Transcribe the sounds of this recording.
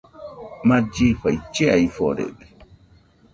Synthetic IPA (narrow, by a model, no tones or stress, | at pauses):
mad͡ʒifajt͡ʃɛajfɔ̰ɾɛ̰ɗɛ